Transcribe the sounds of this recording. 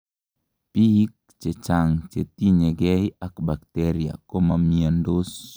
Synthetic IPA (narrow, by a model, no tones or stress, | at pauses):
pik̚t͡ʃet͡ʃaŋt͡ʃet̪iɲɛɡɛiakbak̚t̪ɛɾia̰komamiandos